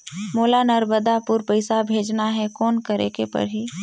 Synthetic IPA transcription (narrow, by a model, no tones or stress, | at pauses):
moːlanəɾməd̪apʊɾpəɪsabʱeːd͡ʒnaɦɛkɔːnkəɾḛːkepɐ̰ɾɦiː